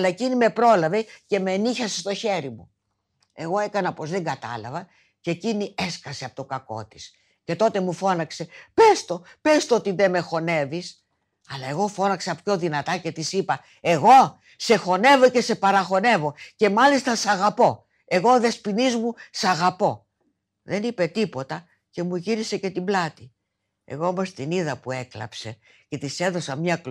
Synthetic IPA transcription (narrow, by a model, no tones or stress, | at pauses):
ɐlɐecinime̞pɾo̞lɐve̞ce̞me̞niçɐsest̪o̞çe̞ɾimu | e̞ɣo̞e̞kɐnɐpo̞zðeŋɡɐt̪ɐ̰lɐ̰vɐ | ceecinie̞skɐseɐpot̪okɐko̞̰t̪i̥s | ce̞t̪o̞t̪e̞mufo̞nɐkse̞pe̞st̪o̞ | pe̞st̪ot̪iðe̞me̞xo̞ne̞vis | ɐlɐe̞ɣo̞fo̞nɐkseɐpoço̞ðinɐt̪ɐce̞t̪isipɐ | e̞ɣo̞ | se̞xo̞ne̞vo̞ce̞se̞pɐɾɐxo̞ne̞vo̞ce̞mɐlist̪ɐsɐɣɐpo̞ | e̞ɣo̞ðe̞spinizmusɐɣɐpo̞ | ðe̞nipe̞t̪ipo̞t̪ɐ | ce̞muʝiɾise̞ce̞t̪iblɐt̪i | ḛɣoomo̞st̪iniðɐpue̞klɐ̰pse̞ | ce̞t̪ise̞ðo̞sɐmɲɐk